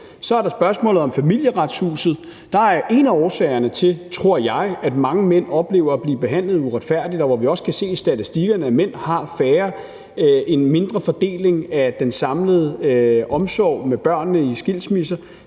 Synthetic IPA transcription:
sɒæɐɾɑ̈sb̥ɶɐsmɔ̰̽ːlð̩ˠɒ̽mfæmil̰jəʁɑd̥shṵːsð̩ˠ | d̥ɑ̈æɐʔe̝næɒːsɛ̰ːɪɐnət͡sʰe̝lt͡sʰʁo̝ɐ̰jɑ̈ɪæd̥mɑ̈ŋəmen̰ɒ̽b̥le̝̰ːʊɐːb̥liːb̥e̝ɦæn̰ləð̞̩ˠuʁad̥fæɐ̰d̥id̥ɒʋɒʋiɒ̽skʰæse̝̰ːsd̥æt͡sʰisd̥iɡ̥ɐnəæmen̰hɑ̈fæːɐ | e̝nme̝nd̥ʁɐfɒ̽d̥e̝̰ːle̝ŋæd̥ensɑ̈mləð̞̩ˠəʔɒ̽msɒʊ̰meb̥ɶɐ̰nːəisɡ̥il̰smisɐ

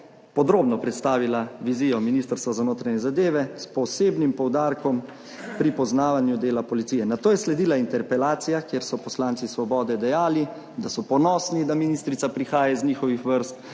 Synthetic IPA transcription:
pɔd̪ɾoːbnɔpɾɛt̪st̪aːʋilaʋiziːjɔminist̪əɾst̪ʋazanoːt̪ɾaɲɛzad̪eːʋɛspɔseːbnimpɔwd̪aːɾkɔm | pɾipɔznaːʋanjud̪eːlapɔlit̪iːjɛnat̪oːjɛslɛd̪iːlaint̪ɛɾpɛlaːt̪sijakjeːɾsɔpɔslant̪sisʋɔbɔːd̪ɛd̪ɛjaːli | d̪asɔpɔnɔːsnid̪aminist̪ɾit̪sapɾixaːjazɲiːxɔʋixʋəɾst̪

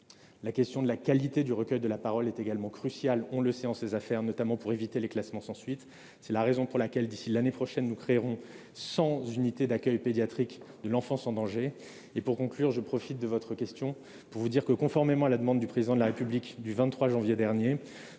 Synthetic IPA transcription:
lakʲɛst̪jɔ̃d̪əlakalit̪ed̪yʁəkʲœjd̪əlapaʁɔlɛt̪eɡalmɑ̃kχysjalɔ̃ləsɛɑ̃sezafɛʁnɔt̪amɑ̃puʁevit̪eleklasmɑ̃sɑ̃sɥit̪ | sɛlaʁezɔ̃puʁlakʲɛld̪isilanepχɔʃɛnːukχeʁɔ̃ | sɑ̃zynit̪ed̪akʲœjped̪jat̪χikd̪əlɑ̃fɑ̃sɑ̃d̪ɑ̃ʒe | epuʁkɔ̃klyʁʒəpχɔfit̪̚d̪əvɔt̪χəkʲɛst̪jɔ̃ | puʁvud̪iʁkəkɔ̃fɔʁmemɑ̃alad̪əmɑ̃d̪d̪ypχezid̪ɑ̃d̪əlaʁepyblikd̪yvɛ̃t̪t̪ːχwaʒɑ̃vjed̪ɛʁnje

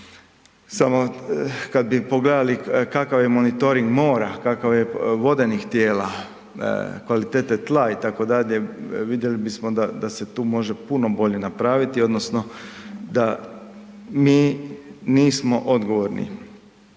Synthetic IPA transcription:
samo̞kad̪̚bipo̞ɡled̪alikakaʋjemonit̪o̞ɾiŋɡmo̞ːɾakakaʋjeʋo̞d̪e̞nixt̪jeːla̰ | kʋalit̪eːt̪et̪lˠait̪ako̞d̪aʎe̞ʋid̪je̞libismod̪ad̪ase̞t̪uːmo̞ʒe̞puno̞bo̞ʎe̞napɾaːʋit̪io̞d̪no̞sno̞d̪a | miːniːsmo̞ʔo̞d̪ɡo̞ʋoɾnḭ

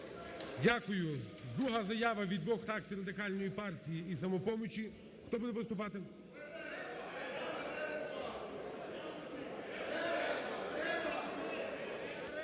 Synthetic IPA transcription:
dʲakʊjʊd̪ɾuɦɐzɐjaʋɐʋʲid̪ʋɔxɾakt͡sʲijɾɐd̪ɪkɑlʲnɔjipɑrtʲijiisɐmɔpɔmʊt͡ʃʲi | xt̪ɔbud̪ɛʋɪst̪ʊp̬ɑt̪ɪ

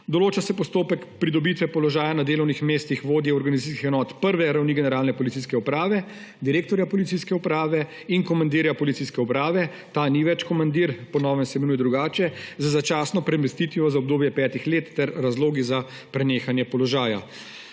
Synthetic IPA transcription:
d̪ɔloːt͡ʃasɛpɔst̪oːpɛkpɾid̪ɔbit̪ʋɛpɔlɔʒaːjanad̪eːlɔwnixmeːst̪ixʋoːd̪jɛɔɾɡanizat̪iskixɛnɔːt̪pəɾʋɛɾawniɡɛnɛɾaːlnɛpɔlit̪siːskɛupɾaːʋɛ | d̪iɾeːk̚t̪ɔɾjapɔlit̪siskɛupɾaːʋɛ | inkɔmand̪iɾjapɔlitsiskɛupɾaːʋɛ | t̪aːniʋɛt͡ʃkɔmand̪iːɾpɔnɔːʋɛmsɛmɛnujɛd̪ɾuɡaːt͡ʃɛzazat͡ʃaːsnɔpɾɛmɛst̪it̪ʋiɔzaɔbd̪oːbjɛpɛːt̪ixleːt̪ːɛɾːazloːɡiza | pɾɛneːxanjɛpɔlɔʒaːja̰

